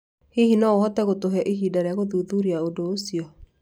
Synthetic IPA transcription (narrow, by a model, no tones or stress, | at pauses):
hehinaohɔtɛɣotoɦɛʔeɦiːdaɾeaɣoðuːðuɾiaodoːsiɔ